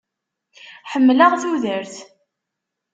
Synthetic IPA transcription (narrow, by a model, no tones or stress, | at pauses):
ħəmːləʁθuðəɾθ